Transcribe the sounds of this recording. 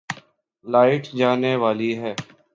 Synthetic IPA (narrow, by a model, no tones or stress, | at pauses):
laːɪʈd͡ʒaːneʋaːliɦɛː